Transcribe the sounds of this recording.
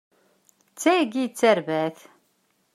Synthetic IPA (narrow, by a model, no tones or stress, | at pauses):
t͡sːæɡit͡sːæɾvæθ